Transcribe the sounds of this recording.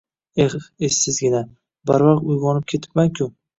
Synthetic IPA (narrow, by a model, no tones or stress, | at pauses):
eχesːɪzɡʲɪna | baɾvaqt̪ʊjʁɒnɪp̚kʲʰe̞t̪ʰɪ̥pmaŋkʲʰʊ